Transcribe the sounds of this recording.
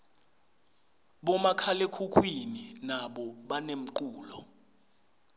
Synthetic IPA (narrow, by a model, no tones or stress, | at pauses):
ɓɔmakʰalekʰukʰwininaɓɔɓanem̩ǃuːlɔ